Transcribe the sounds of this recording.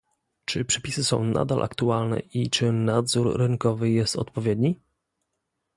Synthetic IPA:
t͡ʂɘpʂɛ̥pʲisɘsɔ̃w̃na̰d̪alʔa̰kt̪ualnɛ̰ʔit͡ʂɘnad̪zuɾːɘŋkɔvɘjɛst̪ɔ̰t̪pɔvʲjɛd̪ɲi

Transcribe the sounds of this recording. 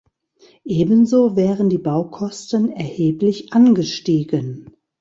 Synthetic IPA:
ʔeːbənzoːvɛːʁəndiːbaʊkʰɔstənɛɐheːplɪçʔanɡəʃtiːɡən

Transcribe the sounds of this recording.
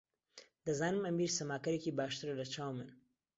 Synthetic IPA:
d̪̥ɐzaːnɨmɐmiːɾsɐmaːkɐɾeːkibaːʃt̪ɨɾɐlɐt͡ʃʰaːwmɨn

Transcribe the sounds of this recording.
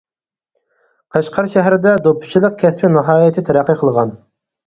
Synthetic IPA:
qʰɑʃqʰɑɾʃɛɦɾɪd̪ɛd̪opʰʊ̥t͡ʃʰilˠəq̚kʲʰɛspɪnɨɦɑːjɪt̪ʰɪt̪ʰɛɾæqːəqʰəlˠəʁɑn

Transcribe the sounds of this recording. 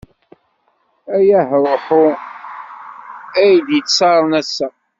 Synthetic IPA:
æjæhɾˤoħʊ | æjd̪jəsɑɾˤnæsːæ

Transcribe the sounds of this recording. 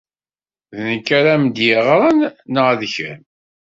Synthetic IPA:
ðnəkːaɾamd̪jɪʁɾˤɑnːəʁæðçæ̰n

